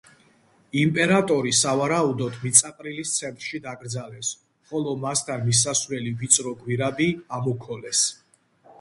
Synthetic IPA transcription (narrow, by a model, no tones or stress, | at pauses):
impʼɛɾat̪ʼɔɾisavaɾaud̪ɔd̪mit̪sʼaq̪ʼɾilist̪sʰɛnt̪ʼɾʃid̪aɡɾd̪zalɛps | χɔlˠɔmast̪ʰanmis̬asvɾɛlivit̪sʼɾɔɡwiɾabiamukʰɔlɛs